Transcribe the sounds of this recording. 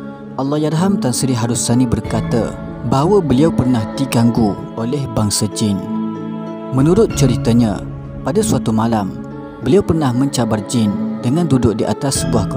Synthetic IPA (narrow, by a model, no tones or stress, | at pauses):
ʔalːɑjarɦamt̪ansiɾiɦaɾusanibərkat̪ə̰ | baɦwəbəliawpərnahd̪iɡaŋɡu | olɛhbaŋsad͡ʒɪn | mə̃nũɾʊt̪̚t͡ʃəɾit̪əɲã | padəsuat̪umalam | bəliawpərnahmə̃ɲt͡ʃabard͡ʒɪndəŋandudʊk̚diʔa̰t̪asːəbuahk